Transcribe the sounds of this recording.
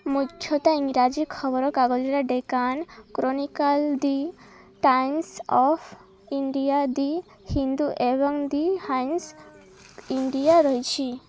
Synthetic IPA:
mudʰʱjɔt̪aiŋɾad͡ʒikʰːɔbɔɾɔkaɡɔd͡ʒiɾaɖekankɾonikald̪i | ʈajnsɔpʰ | iɳɖijad̪i | hind̪uʔebɔŋd̪ihajns | iɳɖijaɾɔɦit͡ʃʰi

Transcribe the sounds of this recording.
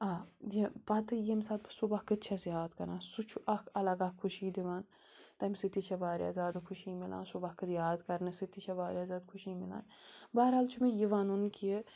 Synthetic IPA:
aːjipɐt̪ɨjemsaːt̪̚psubɐkɨt͡ʃʰazjaːd̪kɐɾãːsut͡ʃʰuʔɐkʰɐlɐɡɐkʰːuʃiːd̪iʋaːn | t̪ɐmsit̪it͡ʃʰɐʋaːɾja̰ːzʲjaːd̪kʰuʃiːmila̰ːnsubɐkɨd̪jaːd̪kɐɾnɨsit̪it͡ʃʰɐʋaːɾʲjaːzʲjaːd̪kʰuʃiːmɪla̰ːnbɐɦɐɾɦaːlt͡ʃʰumejiʋaːnunki

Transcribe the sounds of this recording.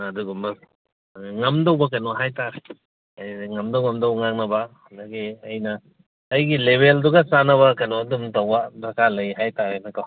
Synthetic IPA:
ɐduɡumɐ | ŋɐmdɐwbɐkɐnɔɦajtaɾe | jŋɐmdɐwŋɐmdɐwŋaŋnɐbɐːndɐɡiɐjnɐː | jɡileβelduɡɐsanɐβɐkɐnɔɐdumtɐwbɐbɾɐkʰalɐjɦajtaɾenɐkɐw

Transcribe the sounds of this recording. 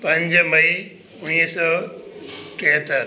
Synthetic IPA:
pɐ̃ɲd͡ʑmɐi | ʊñiːsɔː | ʈeɦət̪ːəɾ

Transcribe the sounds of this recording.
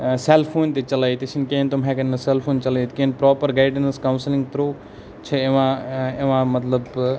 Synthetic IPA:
seːlfʰoːnt̪et͡ʃɐlaːit̪iʃinkẽːnt̪omɦɛkɐnnɐseːlpʰoːnt͡ʃɐlait̪kẽːnpɾɔːpəɾɡaːɪɖnɐskɐʊnslɪ̃ŋɡt̪ɾoː | t͡ʃʰeeʋãeʋãmɐt̪ləb

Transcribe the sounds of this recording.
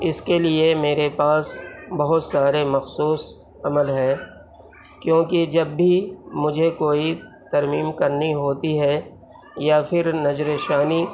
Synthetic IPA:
ɪskeliemeːɾepaːsbɐɦʊt̪saːɾemɐxsuːs | ɐməlɦɛː | kjõːkid͡ʒɐbːʱimʊd͡ʒʱekoːi | t̪ɐɾmiːmkɐɾniɦoːt̪iɦɛ | japʰɪɾnɐd͡ʒɾeːʃaːni

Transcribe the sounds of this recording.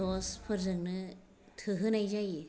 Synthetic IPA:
ɔspʰɯɾzɯŋnɯ | tʰɯɦɯnajzaj

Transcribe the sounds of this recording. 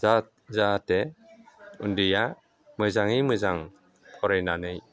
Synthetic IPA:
at̚ | zatɛ | undija | mɯzaŋimɯzaŋ | pʰɔɾejnanɯj

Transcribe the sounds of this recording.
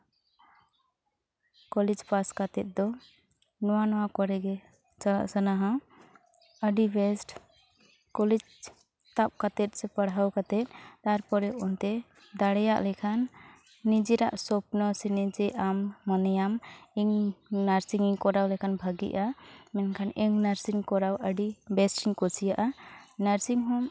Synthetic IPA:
kɔlɛd͡ʒpaskat̪ɛt̪̚d̪ɔ | nɔwanɔwakɔɾɛɡɛ | t͡ʃala̰ʔsanaɦã | əɖibɛsʈ | kɔlɛd͡ʒ | t̪ap̚kat̪ɛt̪̚sɛpaɽawkat̪ɛt̪̚t̪aɾpɔɾɛɔnt̪ɛ | d̪aɽɛja̰ʔlɛkʰanː | id͡ʒɛɾaʔsɔp̚nɔsinɛd͡ʒɛʔamːɔnɛjamiŋnaɾsiŋiŋkɔɾawlɛkʰanbʱaɡḭʔamɛnkʰanɛŋnaɾsiŋkɔɾawəɖibɛsʈiŋkɔsʰijaʔanaɾsiŋɦɔm

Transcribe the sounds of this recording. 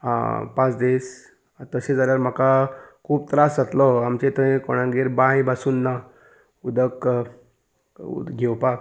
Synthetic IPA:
a̰pãt͡sd̪es | t̪əsẽd͡zaljaɾm̤əkakʰuːbt̪ɾasat̪lɔamt͡ɕet̪ə̃koɽ̃ãɡeɾbãjbasuːnːa | ud̪ək | ɡʱewpak

